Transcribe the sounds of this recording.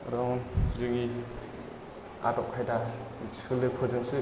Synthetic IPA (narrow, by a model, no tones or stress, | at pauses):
ɾɔŋʰzɯŋi | a̰tɔkʰajdasɯlːɯpʰɯzɯŋsɯ